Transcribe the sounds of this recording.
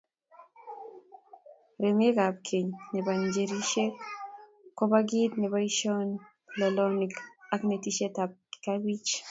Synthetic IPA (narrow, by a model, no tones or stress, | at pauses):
ɾemekap̚kʰeɲnebaɲd͡ʒeɾiʃek | kːɔbaɡit̪nɛβaiʃɔn | lɛlɔnikaknetiʃetap̚kabit͡ʃ